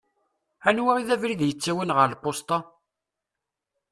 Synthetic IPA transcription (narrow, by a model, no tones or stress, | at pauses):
ænwaʁiðævɾiðjət͡sːæwənʁəɾlqost̪ˤɑ